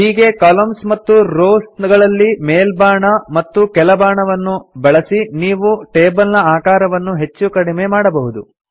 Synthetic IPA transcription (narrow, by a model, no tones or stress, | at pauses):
ɦiːɡe̞kɐːlɐmsmɐt̪ːuɾoːst̪nɡɐɭɐlːimeːlbaːɳɐmɐt̪ːukɛlɐbaːɳɐʋɐnːubɐɭɐsiniːʋuʈeːbɐlnɐaːkaːɾɐʋɐnːuɦe̞t͡ʃːukɐɽime̞ːmaːɽɐbɐɦud̪u